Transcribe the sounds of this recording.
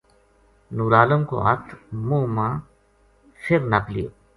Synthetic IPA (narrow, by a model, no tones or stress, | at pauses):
nuːɾaːləmko̰ɦɐ̰t̪ʰmuːmãː | fʰɪɾnɐplḭː